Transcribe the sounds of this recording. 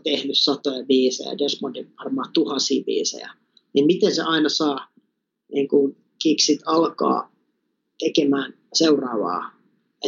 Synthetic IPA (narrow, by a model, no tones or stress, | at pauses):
t̪ehnyssɑt̪ojɑʋiːsḛjɑ̰desmondiʋɑrmɑːt̪uhɑnsiːʋḭːsḛjæ̰ | nimmit̪ensḛʔɑinɑsɑː | niːŋkun | kiksit̪ɑlkɑ̰ː | t̪ekemæːn | seurɑːʋɑ̰ː | jɑ